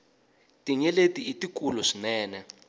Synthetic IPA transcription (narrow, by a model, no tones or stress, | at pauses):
tiɲɛletiitikulɔʂinɛːnɛ